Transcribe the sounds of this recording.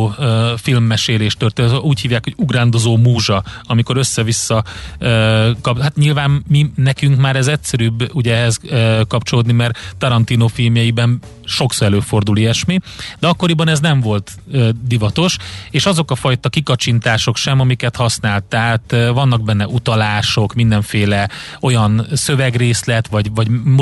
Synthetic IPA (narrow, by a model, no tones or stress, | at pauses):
øːfilmːɛʃeːleːʃt̪ørt̪enuːchiːvjaːkho̞ɟuɡraːnd̪o̞zoːmuːʒɒɒmiko̞ɾø̞sːɛvisːɒøːkɒpɦat̪ɲilvaːmminɛkyŋkmaːɾɛzɛcsɛɾyːbuɟɛɛɦɛzøkɒpt͡ʃo̞loːd̪nimɛrt̪ɒɾɒnt̪iːnofilmjɛjibɛn | ʃo̞ksoɾɛløːfo̞rd̪uliɛʃmid̪ɛɒkːo̞ɾibɒnɛznɛɱvo̞lt̪ | ød̪ivɒt̪o̞ʃeːʃɒzo̞kɒfɒjt̪ɒkikɒt͡ʃint̪aːʃo̞kʃɛmɒmikɛt̪hɒsnaːlt̪aːt̪vɒnːɒɡ̚bɛnːɛʔut̪ɒlaːʃo̞kmind̪ɛɱfeːlɛo̞jɒnsøvɛɡreːslɛt̪ʋɒɟvɒɟm